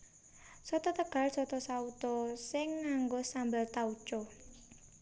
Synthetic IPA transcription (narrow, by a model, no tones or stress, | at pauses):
sɔt̪ɔt̪əɡ̥a̤lsɔt̪ɔsaut̪ɔsɪŋːaŋɡosambəlt̪aut͡ʃɔ